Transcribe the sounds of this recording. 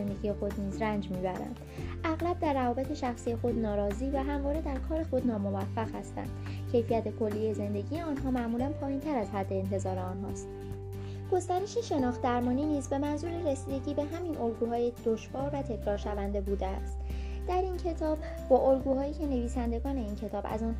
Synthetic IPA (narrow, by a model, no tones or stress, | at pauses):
nd̪eɡije̞xo̞d̪niːzɾænd͡ʒmiːbæɾæ̰nd̪̥ʔæɣlæb̚d̪æɾːævɒːbe̞t̪ʰe̞ʃæxsije̞xo̞d̪nɒːɾɒːziːvæɦæmvɒːɾe̞d̪æɾkʰɒːɾe̞xo̞d̪nɒːmo̞væfːæɣhæst̪æ̰nd̪̥cʰe̞jfijæt̪ʰe̞kʰo̞lːije̞ze̞nd̪e̞ɟije̞ɒːnɦɒːmæʔmuːlænpʰɒːjint̪ʰæɾæzɦæd̪ːe̞ːnt̪ʰe̞zɒːɾeɒnɦɒːst̪ | ɡ̥o̞st̪æɾe̞ʃeʃe̞nɒːxt̪̚d̪æɾmɒːniːniːzbe̞mænzuːɾeɾesiːd̪e̞ɟiːbe̞ɦæminʔo̞lɡuːɦɒːjed̪̥oʃvɒːɾvæt̪ʰe̞cʰɾɒːɾʃævænd̪e̞buːd̪eæ̰st̪ | d̪̥æɾincʰe̞t̪ʰɒːb̥ | bɒːʔolɡuːhɒːiːcʰe̞ne̞viːsænd̪e̞ɡɒːne̞iːncʰe̞t̪ʰɒːbæ̰zɒːn